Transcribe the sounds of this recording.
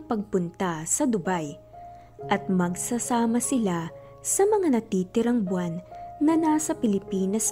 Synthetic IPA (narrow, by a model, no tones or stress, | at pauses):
pɐɡ̚pʊnt̪asɐd̪ʊbaj | ʔɐt̪̚mɐɡsɐsaːmɐsɪla | sɐmɐŋanɐt̪iːt̪ɪɾɐŋbwanːɐnasɐpɪlɪpiːnɐs